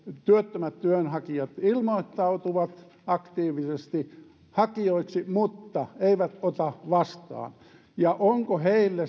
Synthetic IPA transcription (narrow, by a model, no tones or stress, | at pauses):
t̪yøt̪ːømæt̪t̪yønhɑkiɑt̪ilmoit̪ːɑut̪uʋɑt̪ | ɑkt̪iːʋisest̪i | hɑkioiksimut̪ːɑeiʋæt̪ot̪ɑʋɑst̪ɑ̰ːn | jɑʔoŋkoheilːe